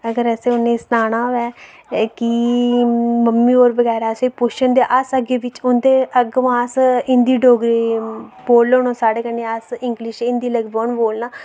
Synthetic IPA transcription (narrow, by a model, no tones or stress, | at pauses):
əɡəɾɛseːʊneːsnaːnaːʋɛː | ki | məmːiːoːɾʋəɡɛːɾaːseːpʊʃənd̪eːʔasəɡeːʋɪt͡ʃʊnd̪eːʔəɡʋaːsɪnd̪iːɖoːɡɾiːboːlːoːnõːsaːɽeːkənẽːasɪ̃ŋɡlɪʃɪ̃nd̪iːləɡboːnboːlnaː